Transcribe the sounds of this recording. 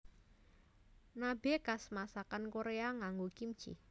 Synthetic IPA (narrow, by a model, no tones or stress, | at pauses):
nabekasmasakankoɾeaŋaŋɡokim̥t͡ʃḭ